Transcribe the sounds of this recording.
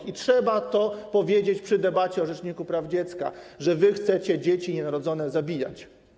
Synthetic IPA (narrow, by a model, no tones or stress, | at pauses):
itʂɛbat̪ɔpɔvʲjed͡ʑet͡ɕpʂɘd̪ɛbat͡ɕɛɔʐɛt͡ʂɲikupɾavd͡ʑet̪ska̰ʐɛvɘxt̪sɛt͡ɕɛd͡ʑet͡ɕiɲɛnaɾɔd̪zɔnɛzabʲija̰t͡ɕ